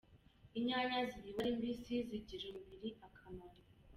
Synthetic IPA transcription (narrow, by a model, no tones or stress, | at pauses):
iɲaɲaziɾiβaɾimbisiziɟiɾemubiɾiakʰamani